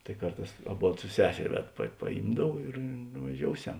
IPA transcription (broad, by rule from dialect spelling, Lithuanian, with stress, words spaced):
tɐɪ ˈkɐrˌtɑːs ɐˈboːt sʊ ˈsʲæːsʲɛrʲ ˈʋʲɛt pɐ pɐˈjiːmdɐw ɪr nʊʋɐˈʒʲoːʊˌsʲɛm